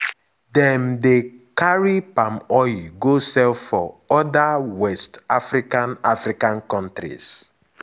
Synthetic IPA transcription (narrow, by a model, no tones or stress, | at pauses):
dɛ̃mdekaɹipãmɔjɡosɛlfɔɔdawɛstafɾikãnafɾikãnkɔ̃ntɾḭs